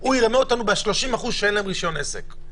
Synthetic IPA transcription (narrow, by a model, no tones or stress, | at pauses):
uiʁameot̪anubeʃlo̞ʃimaχuzʃeenleemʁiʃjo̞nesek